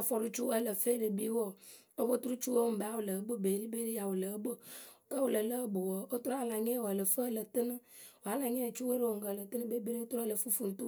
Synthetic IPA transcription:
fɔ˨ɾu˦t͡ʃu˦ə˦lə˨fe˦lə˨bi˦wɔ˦ | o˦bo˦t̪u˦ɾu˦t͡ʃu˦we˦o˨m̩˨e˨˦a˦wo˨lə˨˦bə˦be˨li˦be˦ɾe˦ja˨wo˨lə˨˦bə˦˨ | kə˦wo˨lə˨lə˦bo˨wɔ˨o˦t̪ɾa˨la˨ɲẽ˦wɔ˨lə˨fə˦˨lə˨t̪ɨ˦nə˦ | wo˨a˨˦la˨ɲe˦˨t͡ʃu˦we˦ɾe˦wo˨ŋ̩˨ɡə˨lə˨t̪ɨ˦nə̃˦be˦be˦ɾe˦t̪ɾə˦lə˨fu˦fu˨n̩˨t̪u˦

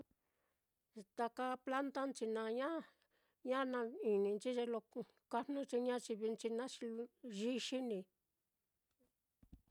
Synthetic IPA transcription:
t̪a˧ka˧pla˦nt̪a˦nt͡ʃi˧nã˧ɲã˦ | ɲã˦nã˧i˨nĩ˧nt͡ʃi˦ʒe˧lo˧ | ka˧nũ˦t͡ʃi˧ɲã˦t͡ʃi˧βi˧nt͡ʃi˧nã˦t͡ʃi˧ʒi˦ʃi˦nĩ˧

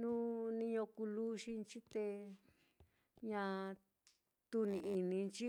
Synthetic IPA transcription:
nũ˦nĩ˧ɲõ˧ku˧lu˦ʃi˧nt͡ʃi˦t̪e˧ | ɲã˧ | t̪u˧nĩ˧i˧nĩ˧nt͡ʃi˦

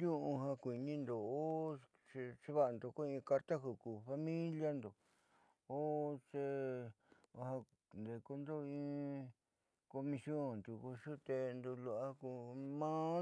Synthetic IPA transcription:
jũ˦ʔũ˧ɦã˧kʷi˨nĩ˧nd̪o˨o˦ | ʂi˧ʂi˦βa˦˨a˧nd̪o˧˨ko˦ĩ˧ka˧ɾt̪a˦ku˧ku˨fa˧mĩ˦lja˦nd̪o˨ | o˦t͡ʃe˧ | ha˧ | nd̪e˨ko˧nd̪o˦ĩː˧ | ko˧mĩ˧sjõ˦˨nt̪u˧˨ku˧ʂu˦t̪e˧nd̪u˧lu˧a˦ku˧mã˦

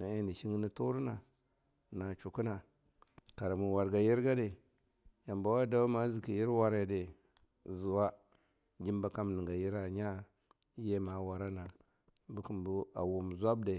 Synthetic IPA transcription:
na˨e˦ni˨ʃi˦ŋ˦ni˦tu˦ɾna˨ | na˨t͡ʃu˨ku˦na˨ | ka˨ɾa˨mu˨wa˨ɾɡa˨ji˦ɾɡa˦de˨ | ja˨mba˨˦wa˦da˦u˦ma˦zi˨ki˨ji˦ɾwa˦ɾe˨de˨ | zu˨wa˦ | d͡ʒi˦m˦ba˨ka˦mni˨ɡa˨ji˦ɾa˨ɲa˦ | je˦ma˨˦wa˨ɾa˦na˨ | bu˦ku˨mbu˦a̰˨wu˨m˨zʷa˦b̚de˨

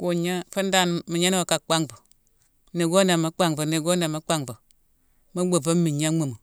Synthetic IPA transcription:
ko˨ɲa˦fə˦n˦da˦˨n˨mi˨ɲa˦n˦wo˨ka˨k͡pa˦ŋbo˨ | ni˨ɡo˦na˨ma˦k͡pa˦ŋbo˨ni˨ɡo˦na˨ma˦k͡pa˦ŋbo˨ | ma˦ɡ͡bo˨ba˦mi˨ɲa˦mu˨mo˨

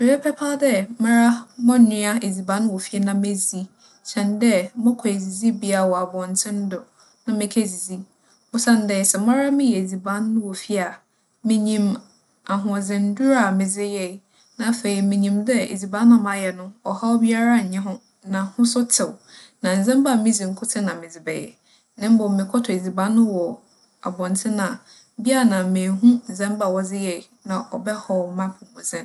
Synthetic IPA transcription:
mɪ̃˨bɛ˦pʰɛ˦pʰa˦dɛ˦mã˦ɾa˦mɔ̃˦˨nɪ̃˦a˦e˨d͡zi˨bã˦n˦wɔ˨fi˦ɛ˦nã˨me˦zi˦ | ɕʰɛ̃˨ndɛ˦mɔ̃˦kʰɔ˨e˨zi˨zi˦bi˦a˨wɔ˨a˨bɔ̃˨n˨tʰɪ̃˦n˦dɔ˨ | nã˨mɪ̃˦kʰe˦zi˨zi˦ | ʊ˦sã˦ndɛ˨sɛ˨mã˦ɾa˦mɪ̃˦jɛ˨e˨d͡zi˨bã˦nːʊ̃˦wɔ˨fi˦a˨ | mɪ̃˦ɲĩ˦m | a˨ɦʊ̃˨zɪ̃˨n̩˦du˦ɾa˦˨mɪ̃˨zɪ˦jɛ˨ | nã˨fe˨i˨mɪ̃˨ɲĩ˨mdɛ˦ḛ˨d͡zi˨bã˦nːã˦˨mã˨˦jɛ˨nʊ̃˦ɔ˨ha˦ɔ˦bi˦a˦ɾa˦˨ɲ̩˨ɲɛ̃˦ɦʊ̃˦ | nã˨hʊ̃˦sʊ˦tʰɪ˨w | nã˨n̩˨zɛ̃˦mba˦˨mĩ˦d͡zĩ˨ŋ̩˨kʰʊ˦tʰɪ˦nã˨mɪ̃˨d͡zɪ˨bɛ̰˨jɛ̰˨ | nɪ̃˦m˦bɔ˨mɪ̃˨kʰɔ˦tʰɔ˨e˨d͡zi˨bã˦nːʊ̃˦wɔ˨ | a̰˨bɔ̃˨ntʰɪ̃˦nã˨ | bi˦a˦˨nã˨mẽ˨ɦũ˦n̩˨zɛ̃˦mba˦˨wɔ˨d͡zɪ˦jɛ˨i˨nã˨ʔɔ˨bɛ˦hɔ˨mã˦pʰʊ̃˨mʊ̃˨zɪ̃˦n

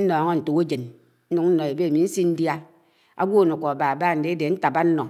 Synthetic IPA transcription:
n̩˦nɔ˨˦ŋɔ˦n̩˨tu˨ke˦d͡ʒe˨n̩˦ | nu˨kn̩˦nɔ˨e˨be˦a˨mi˨˦n̩˦si˦n̩˦dja˦ | a̰˦ɡʷo˦˨no˨kʷɔ˨a˨ba˨a˨ba˦˨n̩˨de˦e˦de˨n̩˦ta˨ba˦n̩˦nɔ˨

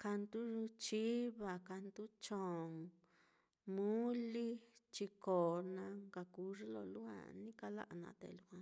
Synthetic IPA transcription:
ka˧nt̪u˦˧t͡ʃi˦βa˧˨ka˧nd̪u˦t͡ʃõ˨ŋ | mũ˦li˦t͡ʃi˧koː˨nã˧ŋka˧ku˧ʐi˦lo̰˧˨lu˦hã̰˧nĩ˦ka˧la̰˦ʔa˧˨nã̰˧t̪ḛ˧˨lu˧hʷã˧

